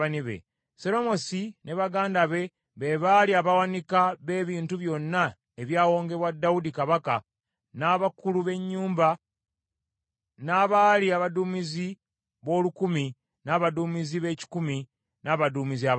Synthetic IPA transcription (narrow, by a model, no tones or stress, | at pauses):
aniβḛ | seɾo̞mo̞sine̞βaɡaːndaβe̞ | βe̞βaliaβawanikaβe̞ːβiːntuβjo̞nːa | eβjaːwo̞ːŋɡe̞βwadːawudikaβaka | naβakuluβe̞ɲːuːmba | naːβaliaβaduːmizi | βo̞ːlukumi | naːβaduːmiziβe̞ːci̥kumi | naβaduːmizia